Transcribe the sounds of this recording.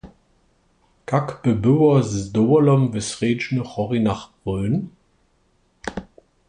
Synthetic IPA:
kʰakb̥əbøwɐzd̪owɐlɔmvɪsʁeːd͡ʒnəχɔʁinaχb̥ʁøːn

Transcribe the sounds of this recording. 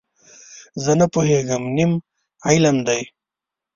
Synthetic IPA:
zɐnɐpoɦeɡɐmnim | ajlɐmd̪aj

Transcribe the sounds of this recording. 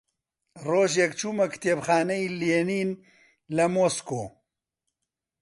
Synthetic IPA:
roːʒjɛkt͡ʃuːmɐkɨ̥t̪ʰeːbxaːnɐjileniːn | lɐmoskoː

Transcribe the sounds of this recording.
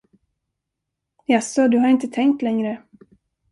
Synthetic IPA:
jasɔd̪ɵɦaɾɪnt̪ət̪ʰɛŋk̚t̪lɛŋɾə

